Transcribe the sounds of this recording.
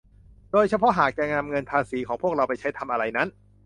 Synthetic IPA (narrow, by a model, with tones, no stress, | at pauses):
doː˧jt͡ɕʰa˧pʰɔ˦˥ʔɦaː˨˩k̚t͡ɕɛ˧˩ŋa˧mŋɤ˧npʰaː˧siː˩˦kʰɔː˩˦ŋpʰu˥˩ək̚ɾa˧wpa˧jt͡ɕʰa˦˥jt̪ʰa˧mʔa˧ɾa˧jna˦˥n